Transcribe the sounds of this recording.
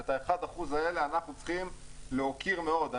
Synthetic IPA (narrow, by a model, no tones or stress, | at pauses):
et̪aeχad̪aχuzaele̞anaχnut͡sχimleokiʁme̞o̞d̪a